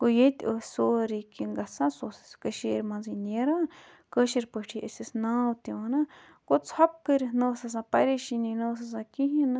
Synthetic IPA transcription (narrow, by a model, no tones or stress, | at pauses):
kojet̪ʲʔosoɾikiŋɡasãsoskəʃiɾmãnzinẽɾa | kəʃiɾpət͡ʃʰiʔḛsesnãwt̪ĩwãnã | kot͡shap̚kəɾinũsas̬ãpaɾiʃinĩnũs̬as̬ãkiɦãnã